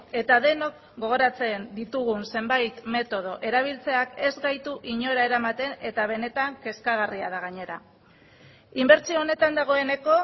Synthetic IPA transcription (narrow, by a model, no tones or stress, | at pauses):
e̞t̪aðe̞no̞k | ɡo̞ɣ̞o̞ɾat͡se̞nd̪it̪uɣ̞unse̞mbajt̪me̞t̪o̞ð̞o̞ʔe̞ɾaβ̞ilt͡se̞ake̞zɣajt̪uʔiɲo̞ɾae̞ɾamat̪e̞ne̞t̪aβ̞e̞ne̞t̪aŋke̞skaɣ̞ariað̞aɣ̞aɲe̞ɾa | imbe̞ɾt͡sioːne̞t̪and̪aɣ̞o̞e̞ne̞ko̞